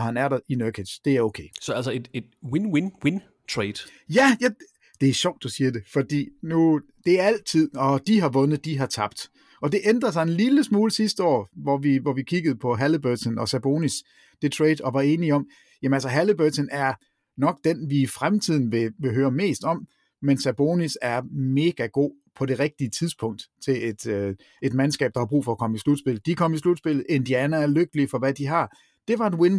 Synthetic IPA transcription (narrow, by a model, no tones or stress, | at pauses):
hænæɐɾɐinøkʰe̥d̥e̝æɐo̝ʊkʰeɪsɒælsəed̥ed̥winwinwin | t͡sʰʁeɪd̥ | jæjæ | d̥e̝æɐɕɒʊ̰d̥ːusiːɐd̥e̝fɒ̽d̥ḭːnu | d̥e̝æɐæl̰t͡sʰið̞̰ˠɒ̽d̥iɦɑ̈ʋɔ̽nð̩ˠd̥iɦɑ̈t͡sʰɑ̈b̥d̥ | ɒ̽d̥e̝ʔend̥ʁɐs̬ɑ̈ɪe̝nliləsmuːləsisd̥əɒ̰ːʋɒʋiʋɒʋikʰiɡ̥əð̞̩ˠpʰɒ̽ɦælibøsənɒ̽sæb̥o̝ːnis | d̥et͡sʰʁɛd̥ɒ̽ʋɑ̈e̝ːniɒ̽m̰ | jæmənælsəɦælib̥øsʰənæɐ | nɒ̽ɡ̥̚d̥enʋiːfʁamt͡sʰið̞̰ˠn̩ʋe̝ʋe̝ɦøːɐme̝̰ːsd̥ɒ̽m̰ | mensæb̥o̝ːnisæɐme̝ːɡ̥æɡ̥o̝̰ː | pʰɒ̽ɾe̝ʁɛɡ̥̚d̥iət͡sʰiðˠspʰɔ̽ŋ̰d̥t͡sʰe̝le̝d̥ | e̝d̥mænsɡ̥ɛ̰ːb̥̚d̥ɑ̈hɑ̈b̥ʁṵːfɒ̽ːkʰɒ̽məislud̥sb̥e̝l̩ˠd̥ikʰɒ̽mislud̥sb̥e̝l̰ð̩ˠe̝nd̥iænææɐløɡ̥əliəfɒ̽ʋæd̥iɦɑ̈ | d̥e̝ʋɑ̈e̝nwen